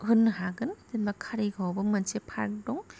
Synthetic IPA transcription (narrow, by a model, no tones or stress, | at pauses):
ɦunɦaɡɯntilbakʰaɾiɡʰʱawbɐmɐnt͡ʃepʰaɾk̚dɔŋ